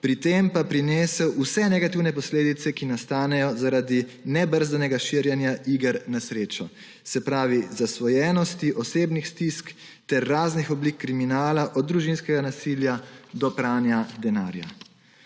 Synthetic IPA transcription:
pɾit̪empapɾineːsɛwusɛnɛɡat̪iwnɛpɔsleːd̪it̪sɛkinast̪aːnɛjɔzaɾad̪inɛbəɾzanɛɡaʃiɾjɛnjaʔiːɡəɾnasɾeːt͡ʃɔ | sɛpɾaːʋizasʋɔjɛːnɔst̪iʔɔseːbnixst̪isk | t̪ɛɾːaːznixɔblikːɾiminaːlaʔɔd̪̚d̪ɾuʒinskɛɡanasiːljad̪ɔpɾaːnjad̪ɛna̰ːɾja̰

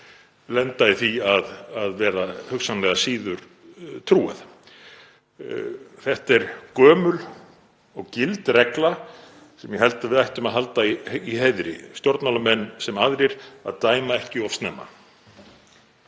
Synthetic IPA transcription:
lɛnt̪aɪθiaðaðvɛːɾahʏksanlɛɣasiːðʏɾ | t̪ʰɾuːa̰θ | θɛht̪ɛɾkœːmʏl | ɔɣcɪlt̪rɛkla | sɛmjɛɦɛlt̪avɪðajht̪ʏmaðɦal̪t̪aiiɦeːjðɾɪ̰st̪jɔɾt̪nalamɛnːsɛmaðɾɪɾ̥a̰ðt̪aːjmaɛhcɪɔfst̪nɛːma̰

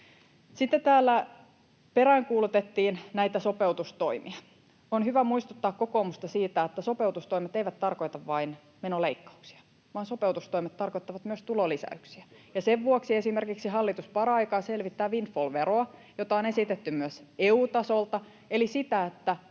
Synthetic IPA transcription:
sit̪ːet̪æːlːæ | peɾæiŋkuːlut̪et̪ːiːnnæijt̪æso̞peut̪ust̪oimiɑ | onhyʋæmuist̪ut̪ːɑːkkokomust̪ɑsiːt̪æet̪ːæsope̞ut̪ust̪oimet̪eijʋæt̪t̪ːɑrko̞it̪ɑʋʋɑin | menoleikːɑ̥uksi̥ɑ̥ | ʋɑːnso̞peuwt̪ust̪oimet̪t̪ɑrkoit̪ːɑʋɑt̪myøst̪ulolisæ̰yksiæjɑseʋʋuoksiesimerkiksiɦɑlːit̪uspɑrɑikɑːselʋit̪ːæːʋinfolʋeroɑjot̪ɑone̞sit̪et̪ːymyøseuːt̪ɑsolt̪ɑ | elisit̪æet̪ːæ

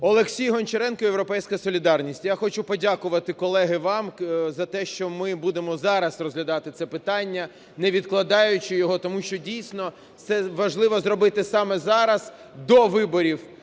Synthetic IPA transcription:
ɔlˠeksʲijɦɔnt͡ʃeɾɛnkɔjewɾɔpɛjsʲkɐsɔlʲid̪ɑrnʲisʲtʲjaxɔt͡ʃupɔdʲakʊʋɐt̪ɪkɔlˠɛɦɪʋɑmzɐt̪ɛʃt͡ʃɔmɪbud̪emɔzɑɾɐsrɔzɦlʲɐd̪ɑt̪ɪt̪sɛpɪt̪ɑnʲːɐ | nɛʋʲid̪klˠɐd̪ɑjʊt͡ʃɪjɔɦɔt̪ɔmuʃt͡ʃɔdʲijsʲnɔ | sɛʋɐʒlˠɪʋɔzrɔbɪt̪ɪsɑmɛzɑɾɐz̥ | d̪ɔʋɪbɔɾʲiw

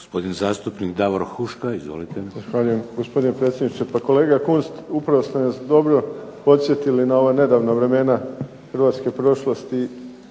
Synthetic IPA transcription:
ɡospo̞d̪inzaːst̪upnikd̪aʋoɾxuʃkaizʋo̰lit̪ezaxʋaʎuje̞mɡospo̞d̪inepɾe̞t̪sjed̪nit͡ʃepako̞leːɡakunst̪upɾaʋost̪enasd̪o̞bɾo̞po̞t̪sʲje̞t̪ilinao̞ʋaːne̞d̪aːʋnaʋɾe̞me̞na | xɾ̩ʋaːt̪ske̞pɾo̞ʃlˠost̪i

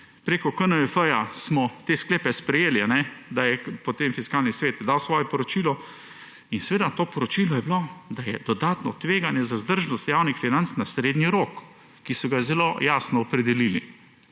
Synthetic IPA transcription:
pɾeːkɔkənəəfəjasmɔt̪eːskleːpɛspɾɛjeːlianɛd̪ajɛpot̪emfiskaːlnisʋeːt̪d̪awsʋɔːjɛpɔɾɔt͡ʃilɔ | insɛʋeːd̪at̪oːpɔɾɔt͡ʃilɔjɛblod̪ajɛd̪̥ɔd̪aːt̪nɔt̪ʋeːɡanjɛzazd̪əɾʒnɔst̪jawnixfinant̪snasɾeːd̪niɾoːkː | isɔɡazɛloːjaːsnɔːpɾɛd̪ɛlilḭ

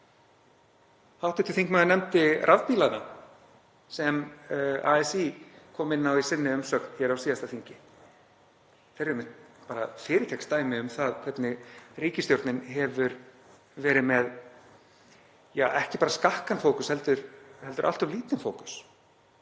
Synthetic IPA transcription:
hawht̪ɪt̪ɪlθiŋkmɛɣanɛmt̪ɪrʔaðpiːlana | sɛma̰ɛsikʰɔːmɪnːawisɪnːɪʏmsœːknçɛɾawsiːðast̪aθiɲcɪ | θejɾɾɛmɪt̪paːɾa̰fɪːɾɪcʰɛkst̪aːjmɪʏmθaðkʰvɛt̪nɪriːcɪst̪jowɾt̪nɪnɦɛvʏɾ | vɛːɾɪmɛð | jaʔɛhcɪpaːɾaskahkanfoːwkʏshɛlt̪ʏɾɛlt̪ʏɾʔa̰lt̪œvliːt̪ɪnfoːwkʏ̥s

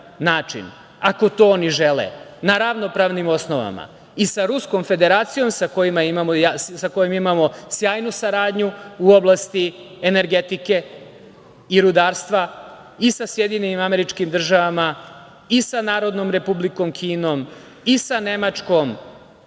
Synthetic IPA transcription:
naːt͡ʂḭn | ako̞t̪o̞ːoniʒelḛ | naɾaʋno̞pɾaːʋnimo̞sno̞ʋa̰ma̰ | isaɾusko̞mfe̞d̪e̞ɾaːt̪sijo̞msako̞jimaimamojassako̞jimimamo̞sjaːjnusaɾaːd̪ɲuuo̞blast̪i | ene̞ɾɡe̞t̪ike̞ | iɾud̪aːɾst̪ʋa | isasje̞d̪iɲenimameɾit͡ʃkimd̪r̩ʒaʋama | isanaːɾo̞d̪no̞mɾe̞publikomkʰiːno̞m | isane̞mat͡ʂko̞m

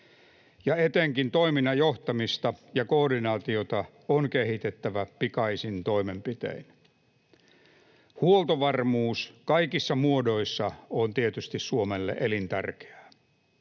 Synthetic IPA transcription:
jɑet̪eŋkint̪o̞iminːɑjoht̪ɑmist̪ɑjɑko̞ːdinɑːt̪io̞t̪ɑ | onkehit̪et̪ːæʋæpikɑisint̪o̞imempit̪ḛin | huolt̪oʋɑrmuːskɑikisːɑmuodo̞isːɑont̪iet̪yst̪issuomelːḛʔelint̪æ̰rke̥æ̥ː

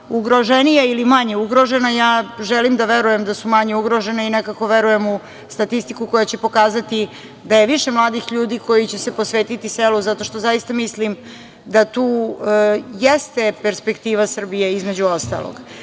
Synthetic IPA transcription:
uɡɾoʒenijailimaɲe̞uɡɾoʒe̞najaːʒelimd̪aʋeɾuje̞md̪asumaɲeuɡɾo̞ʒe̞neinekako̞ʋeɾuje̞mu | st̪at̪ist̪ikuko̞jat͡ɕe̞po̞kaːzat̪i | d̪ajeʋiʃe̞mlˠaːd̪ixʎuːd̪iko̞jit͡ɕese̞posʋeːt̪it̪iseluzat̪o̞ʃt̪o̞zajist̪amislim | d̪at̪uː | jest̪e̞peɾspe̞kt̪iːʋasr̩bije̞izmed͡ʑuost̪a̰lo̰ɡ̥

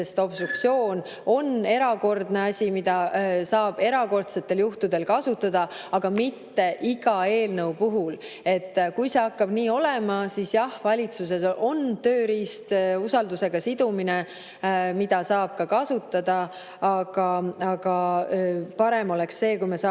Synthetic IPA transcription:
est̪o̞b̥st̪ruk̚t̪sio̞ːn | o̞ne̞ɾɑko̞rd̪ne̞ɑsʲimid̪̥ɑsɑːb̥e̞ɾɑko̞rt̪se̞t̪ːˑe̞ljuht̪ud̪e̞lkɑsut̪ːˑɑd̪̥ɑɑɡ̥ɑmit̪ːe̞ʔiɡ̥ɑe̞ːlnəwpuɦul | e̞t̪ːkujse̞ɑkːɑb̥niːo̞lemɑsisjɑhvɑlʲit̪sus̬e̞sʔo̞nt̪ø̞ːɾist̪usɑld̪use̞ɡ̥ɑsid̪̥umine | mid̪̥ɑsɑːb̥̚kɑkɑsut̪ːˑɑd̪̥ɑ | ɑɡ̥ɑɑɡ̥ɑ | pɑɾe̞mo̞le̞ksːe̞ːkujmesɑ

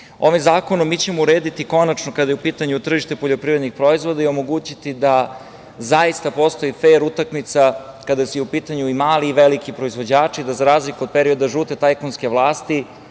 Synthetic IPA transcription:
o̞ʋimzaːko̞nomːit͡ɕe̞mouɾeːd̪it̪iko̞nat͡ʃnokad̪ajeupiːt̪aɲut̪r̩ʒiʃt̪e̞poʎo̞pɾiʋɾed̪nixpɾo̞izʋo̞d̪aiomo̞ɡuːt͡ɕit̪id̪a | zajist̪apo̞st̪o̞ifeːɾut̪akmit̪sakad̪asujɛupiːt̪aɲuimaːliːʋelikipɾo̞izʋo̞d͡ʑaːt͡ʂid̪azaɾaːzlikuod̪̚peɾio̞d̪aʒuːt̪et̪ajkonske̞ʋlˠaːst̪i

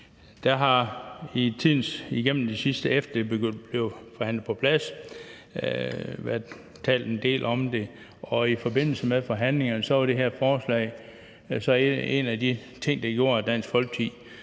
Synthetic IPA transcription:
d̥æɦɑ̈it͡sʰið̰ˠn̩siɡ̥en̰m̩d̥isisd̥əefd̥ɐ̥eb̥eɡønb̥le̝ʊfɒhæn̰lð̩ˠpʰɒ̽pʰlæs | ʋæɐ̰ | t͡sʰɛ̰ːld̥end̥e̝̰ːlʔɒ̽md̥e̝ | ɒ̽ifɒ̽be̝n̰l̩səmeðˠfɒɦæn̰le̝ŋɐnəsɒ̽ʋɑɾ̥e̝ɦeɐ̰fɒːslɛ̰ɪ | sɒ̽e̝̰næd̥i | t͡sʰe̝ŋ̰d̥ɑ̈ɡ̥jo̝ɐ̰æd̥æn̰sɡ̥fɒ̽lɡ̥̚t͡sʰi

